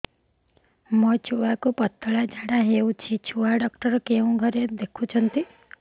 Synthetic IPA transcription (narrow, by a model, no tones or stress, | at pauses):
mɔt͡ʃʰuakupɔt̪ːɔɭad͡ʒaɽaɦeut͡ʃʰit͡ʃʰuaɖɔkʈɔɾɔkeũɡʱɔɾed̪ekʰut͡ʃʰɔnt̪i